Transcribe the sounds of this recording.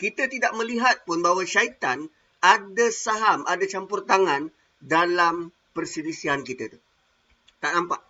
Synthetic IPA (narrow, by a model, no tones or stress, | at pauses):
kit̪at̪idaʔ̚mə̃liɦat̪̚pʊnbaɦwaʃait̪an | adasaɦamʔadat͡ʃampurt̪aŋãn | dalam | pərsilisiankit̪at̪u | t̪aʔnãmpaʔ